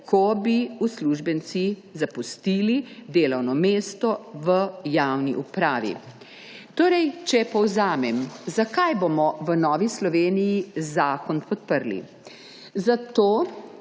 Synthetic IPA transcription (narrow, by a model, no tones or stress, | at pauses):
kʰɔbiusluʒbənt̪sizapust̪iːlid̪eːlɐwnɔmeːst̪ɔʋəjawniʔupɾaːʋḭ | t̪oːɾɛjt͡ʃɛpɔwzaːmɛmzakajboːmɔʋənɔːʋislɔʋeːnijizaːkɔnpɔt̪̚pəɾlḭ | zat̪oː